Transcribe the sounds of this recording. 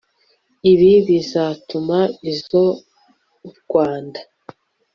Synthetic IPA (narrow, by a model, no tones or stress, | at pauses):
iβiβizatumaizo | βɡ̥waːndḁ